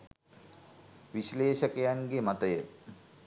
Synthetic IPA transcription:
ʋisleːʃəkəjanɡemat̪əjə

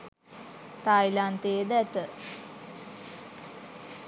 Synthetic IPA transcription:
t̪ajlant̪eːd̪əɛt̪ə

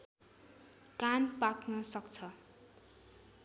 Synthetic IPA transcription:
kanpaknʌsʌkt͡sʰʌ

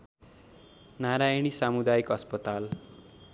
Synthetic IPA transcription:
naɾajɽ̃isamud̪ajkʌspʌt̪al

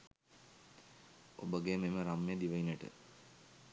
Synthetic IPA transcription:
obəɡememəɾamːejːd̪iʋɐineʈə̰

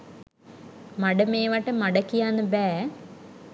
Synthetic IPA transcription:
mɐɖɐmeːʋaʈːɐmɐɖɐkːijaːnɨbɛː

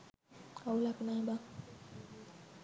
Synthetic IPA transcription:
kaulakunaba

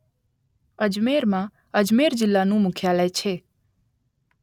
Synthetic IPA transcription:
əd͡ʒmeːɾmã | əd͡ʒmeːɾd͡ʒɪlːanũːmʊkʰjaləjt͡ʃʰeː

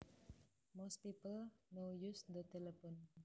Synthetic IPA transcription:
mɔspipəlnojusd̪ət̪elɛpɔn

